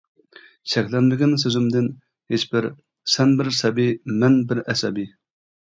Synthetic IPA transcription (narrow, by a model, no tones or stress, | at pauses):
ʃʰɛkʲlɛnlɪɡʲɪns̬øzɪmd̪ɪn | het͡ʃbɪɾ | sɛnbɪɾsɛbimɛnbɪɾɛsɛbi